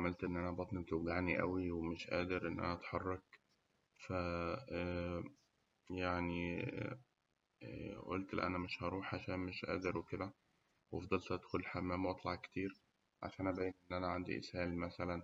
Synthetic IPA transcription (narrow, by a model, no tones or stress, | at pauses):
ʕamælt̪ʔenːʔænæbɑt̪ˤnibet̪oɡaʕniʔæ̰wiwemeʃʔæːd̪eɾʔenːʔæ̰næʔɑt̪ħɑrˤːɑk | fæ | jaʕni | ʔolt̪læ̰ʔæ̰næmeʃʔɑɾˤuːħʕaʃæːnmeʃʔæ̰ːd̪eɾweked̪æ | wɑfd̪ˤɑlt̪æd̪xolħamːæːmwʔɑt̪ˤlɑʕkt̪iːɾ | ʕa̰ʃæːnʔæbæːjenʔenːʔænæʕand̪ḭʔḛshæːlmæsælæn